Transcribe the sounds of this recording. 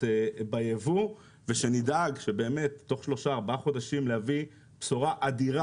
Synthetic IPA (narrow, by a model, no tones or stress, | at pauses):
bajevu | veʃenidaɡʃebe̞ːme̞tːo̞χʃlo̞ʃaːʁbaaχo̞daʃimlehavi | psuʁaʔad̪iʁa